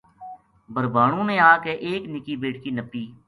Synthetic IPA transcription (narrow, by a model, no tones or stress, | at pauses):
bəɾbʱaːɽ̃ũːnẽaːkeʔeːknɪkiːbeːʈ̚kiːnəpːiː